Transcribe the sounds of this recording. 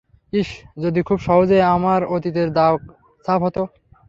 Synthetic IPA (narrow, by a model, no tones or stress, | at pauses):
iʃd͡ʑod̪ikʰubʃɔɦod͡ʑeeamaɾot̪it̪eɾd̪ak | st̪abʱɦot̪o